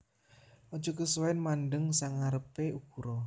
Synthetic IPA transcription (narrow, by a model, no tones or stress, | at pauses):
ɔd̥ʒ̥ɔ̤kəswaɪnmanɖəŋsaŋaɾəpeukuɾɔ